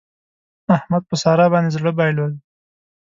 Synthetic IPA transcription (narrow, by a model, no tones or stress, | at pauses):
ahmad̪̚pəsɑːɾɑbɑnd̪ezɽəbɑjlad̪